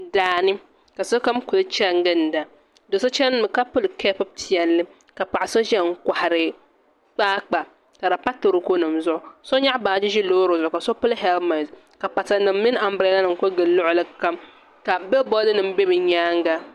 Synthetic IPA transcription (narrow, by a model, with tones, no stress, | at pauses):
daː˨nɨ˦ | ka˨so˦ka˦mkʊ˨lɨ˦t͡ʃɛ˦ŋ˦ɡɨ˦n˨da˨ | do˨so˦t͡ʃɛ˦n˦mɨ˨ka˦pʊ˦lɨ˨kʰɛ˦pɨ˦btʰi˨ɛ˨lːɨ˦ | ka˨pa˨ʔa˨so˦ʒɛ˦ŋ̩˦kʷa˨ha˨ɾɨ˨ | k͡paː˦k͡pa˨ | ka˨ɾa˨pa˦tɨ˨ɾɨ˨ko˦nɨ˨mzʊ˦ʔʊ˦so˦ɲa˦baː˨d͡ʒɪ˦ʒi˦loː˦ɾo˨zʊ˨ʊ˨ka˨so˦pʊ˦lɦɛ˦lma˨z | ka˨pa˨ta˨nɨ˨mː˦ɪ˦n˦a˨m˦bɾɛ˨˦la˦nɨ˨ŋ˨ko˦ɡɨ˨lʊ˦ʔʊ˦lɨ˦ka˦m | ka˨bɪ˦lbɔ˦dɨ˦nɨ˨m̩˦be˦bɨ˨ɲaː˦ŋ˦ɡa˦